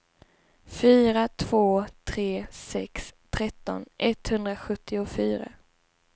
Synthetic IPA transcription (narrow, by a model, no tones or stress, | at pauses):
fyːɾat̪ʰv̥oːt̪ʰɾeːsɛkst̪ʰɾɛt̪ːɔ̰nʔɛt̪hɵnd̪ɾaɧɵt̪ʰːɪʊfyːɾa̰